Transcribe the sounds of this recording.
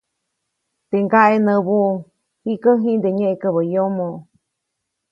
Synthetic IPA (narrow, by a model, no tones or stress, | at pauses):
t̪eŋɡaʔenə̃βu | hikəɦĩnd̪eɲẽʔekəβəjomõ